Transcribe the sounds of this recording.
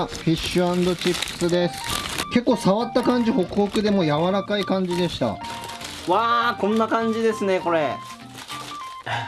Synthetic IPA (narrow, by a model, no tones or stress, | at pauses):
ɸʲiɕːɯãnd̪o̞t͡ɕipːɯ̥sɨd̪e̞sɨ̥ke̞kːo̞ːsaβat̪ːakãɲ̟d͡ʑiho̞kɯ̟ho̞kɯ̟d̪e̞mo̞jaβaɾakaikãɲ̟d͡ʑid̪e̞ɕi̥t̪a̰ | βaːkõ̞nːakãɲ̟d͡ʑid̪e̞sɨne̞ko̞ɾe̞